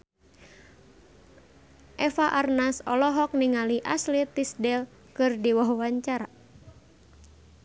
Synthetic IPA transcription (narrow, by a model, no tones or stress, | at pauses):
ʔɛfaʔarnasɔlɔɦɔk̚niŋaliʔaslit̪isdɛl | kɨrdiwɔɦwaɲt͡ʃaɾa